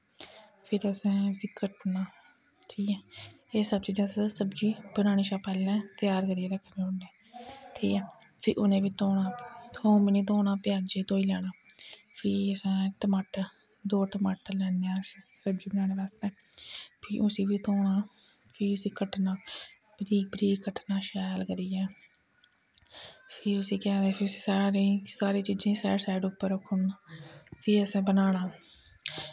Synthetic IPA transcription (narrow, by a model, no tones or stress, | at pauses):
pʰɪɾəsɛ̃ːsɪkəʈnaː | ʈʰiːkɛː | eːsəb̚t͡ʃiːd͡ʒãːssəbd͡ʒiːbənaːɽ̃eːʃaːpɛːlːɛ̃ːt̪ɪjaːɾkəɾieːɾəkʰːnẽːoɳɖɛ̃ː | ʈʰiːkɛ̃ː | pʰɪʔʊnẽːʋiːt̪oːnaːt̪oːmɪniːt̪̬oːnaːpɪjaːd͡ʒeːt̪oːiːlɛːɽ̃aː | pʰiːəsãːʈəmaːʈə | d̪oːʈəmaːʈəɾlɛːneãːssəbd͡ʒiːbənãːneːbaːst̪eː | pʰɪːʔʊsiːbiːt̪oːɳaː | pʰiʊsiːkəʈnaː | bɾiːk̚bɾiːkkəʈnaːʃaːjlkəɾiːɛ̃ː | pʰɪːʊsiːkɛ̃ːd̪eːpʰɪʊsi̥ːsaːɾaːɾẽsaːɾiːt͡ʃiːd͡ʒẽːsa̰ːɖsaːɪɖʊpːəɾəkʰːʊn | pʰiːəsẽːbənaːɳaː